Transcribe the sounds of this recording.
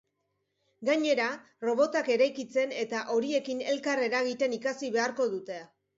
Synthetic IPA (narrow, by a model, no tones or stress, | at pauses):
ɡaɲe̞ɾa | ro̞β̞o̞t̪ake̞ɾajkit͡se̞ne̞t̪aʔo̞ɾie̞kine̞lkare̞ɾaɣit̪e̞nikasiβe̞aɾko̞ðut̪e̞